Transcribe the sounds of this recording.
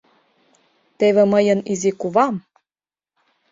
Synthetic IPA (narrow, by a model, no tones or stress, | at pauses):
t̪eβĕməjɤ̆nizikuβɑm